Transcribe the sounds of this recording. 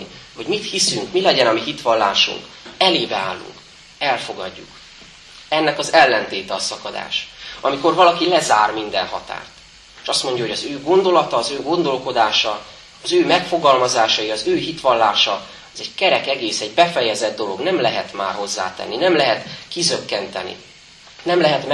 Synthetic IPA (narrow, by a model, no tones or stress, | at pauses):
iho̞ɟmit̪hisyŋkmilɛɟɛnɒmiɦit̪ʋɒnlːaːʃṵŋk | ɛleːbɛa̰ːlːṵŋk | ɛlfo̞ɡɒ̰ɟːṵk | ɛnːɛkɒzɛlːɛnt̪eːt̪ɛɒsɒkɒd̪a̰ːʃɒmiko̞rvɒlɒkilɛzaːrmind̪ɛ̰nɦɒ̰t̪a̰ːrt̪ | e̥ʃɒst̪mo̞ɲɟɒɦoɟɒzøːɡo̞nd̪o̞lɒt̪ɒːzøːɡo̞nd̪o̞lko̞d̪aːʃɒ | ɒzøːmɛkfo̞ɡɒlmɒzaːʃɒiɒzøːɦit̪ʋɒlːaːʃɒ | ɒzɛɟkɛɾɛkɛɡeːsɛɟbɛfɛjɛzɛd̪̚ːo̞lo̞̰ɡnɛmlɛɦɛt̪ma̰ːrɦo̞zːa̰ːt̪ɛ̰nːinɛmlɛɦɛt̪kizø̞kːɛnt̪ɛnḭ | nɛmlɛɦɛt̪m